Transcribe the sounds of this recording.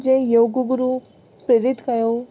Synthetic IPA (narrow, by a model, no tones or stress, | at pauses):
d͡ʒẽjoːɡɡuɾu | pɾeɾit̪kɐjo